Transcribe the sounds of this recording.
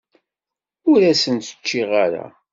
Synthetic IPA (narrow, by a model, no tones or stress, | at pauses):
ʊɾæsənt̪ə̥t͡ʃːiʁaɾa̰